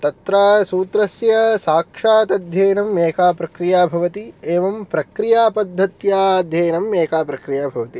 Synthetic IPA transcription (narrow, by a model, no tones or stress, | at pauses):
t̪ɐt̪ɾaːsuːt̪ɾɐsjɐsaːkʂaːt̪ɐd̪ʱjeːnɐmeːkaːpɾɐkɾijaːbʱɐʋɐt̪ieːʋɐmpɾɐkɾijaːpɐd̪ʱːɐt̪jaːd̪ʱjeːnɐmeːkaːpɾɐkɾijaːbʱɐʋɐt̪i